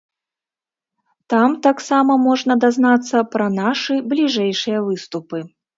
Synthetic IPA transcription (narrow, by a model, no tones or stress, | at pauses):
t̪amt̪aksamɐmɔʐnɐd̪aznat̪sːɐpɾɐnaʂɨblʲiʐɛjʂɨjɐvɨst̪upɨ